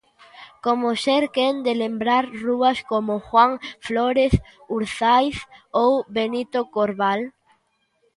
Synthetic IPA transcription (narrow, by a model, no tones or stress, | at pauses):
komoseɾkend̪elembɾaɾruɐskomoxwaŋfloɾeθ | uɾθajθowbenit̪okoɾβal